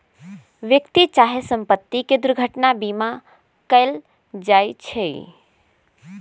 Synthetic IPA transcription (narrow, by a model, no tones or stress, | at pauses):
ʋjəkt̪it͡ʃaɦesəmpət̪ːiked̪uɾɡʱəʈnabima | kəl | d͡ʒajt͡ʃʰɛj